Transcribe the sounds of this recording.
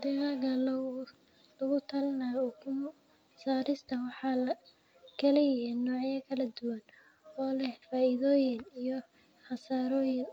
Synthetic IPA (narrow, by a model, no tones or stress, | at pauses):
d̪ɛaɣɐl | lʊɣʊt̪ʰɐlɪnaːkʰʊ | saːɾɪst̪ʰɐwɑħɑlɐ | kʰɛlɪjɛnːɔːʕjɐkʰɐlɐd̪ʊwɐn | ɔːlɛhfaːɪðɔːjɪnijɔ | χɑsaːɾɔːjɪn